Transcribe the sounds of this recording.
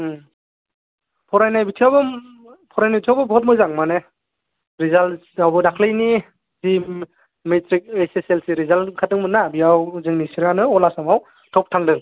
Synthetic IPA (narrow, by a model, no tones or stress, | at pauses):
pʰɔɾajnajbitʰiawbɯ | pʰɔɾajnajbitʰjawbɯbɔt̚mɔjzaŋmane | ɾizalsawbɯdakʰlɯjni | si | metɾik̚eseselsiɾizalkʰatɯŋmɯnabiawzɯŋnisiɾanɯɔlasamaw | tʰɔp̚tʰaŋdɯŋ